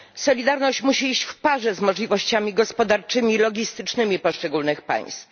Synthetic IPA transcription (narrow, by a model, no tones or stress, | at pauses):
sɔlʲid̪aɾnɔɕt͡ɕmuɕiiɕt͡ɕfpaʐɛzmɔʐlʲivɔɕt͡ɕamʲiɡɔspɔd̪aɾt͡ʂɘmʲiːlɔɡʲist̪ɘt͡ʂnɘmʲipɔʂt͡ʂɛɡulnɘxpa̰j̃st̪f